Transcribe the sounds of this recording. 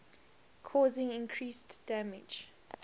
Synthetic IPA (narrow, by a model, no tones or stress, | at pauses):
kʰɔːzɪ̃ŋɪ̃nkʰɹiːstd̥æmɪd͡ʒ